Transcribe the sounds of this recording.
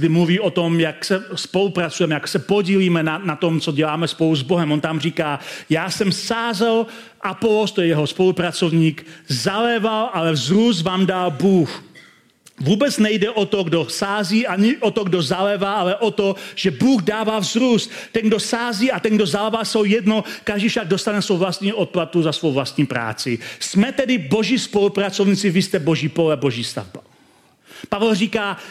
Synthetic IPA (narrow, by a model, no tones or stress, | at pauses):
dɪmluviːot̪omjaksɛspo̞lupɾat͡sujɛmɛjaksɛpoɟiːliːmɛnanat̪omt͡soɟɛlaːmɛspo̞luzboɦɛmʔont̪amriːkaːjaːsɛmsaːzɛl | ʔapolost̪ojɛjɛɦospo̞lupɾat͡sovɲiːkzalɛvalʔalɛvzɾusvaːmdalbuːx | vuːbɛt͡snɛjdɛʔot̪oɡdosaːziːʔaɲɪʔot̪oɡdozalɛvaːʔalɛʔot̪o̞ʒ̥ɛbuːɣdaːvaːvzɾust̪t̪ɛnɡdo̞saːziːat̪ɛnɡdozalɛvaːsowjɛdno̞kaʒdiːfʃaɡ̚do̞st̪anɛsvowvlast̪ɲiːʔot̪̚plat̪uzasvowvlast̪ɲiːpɾa̰ːt͡sɪsmɛt̪ɛdɪbo̞ʒiːspo̞lupɾat͡sovɲiːt͡sɪvɪst̪ɛbo̞ʒiːpolɛbo̞ʒiːst̪a̰vba | pavɛlriːkaː